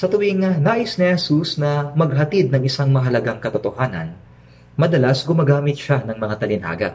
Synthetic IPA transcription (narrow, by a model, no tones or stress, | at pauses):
sɐt̪ʊwɪŋnaːʔɪsnɪhɛsusnɐmɐɡ̚ɦɐt̪id̪̚nɐŋɪsaŋmɐɦɐlɐɡaŋkɐt̪ot̪ohaːnɐ̰n | mɐd̪ɐlasɡʊmaɡaːmɪt̪̚ʃanɐŋmɐŋat̪ɐlɪnha̰ːɡɐ̰ʔ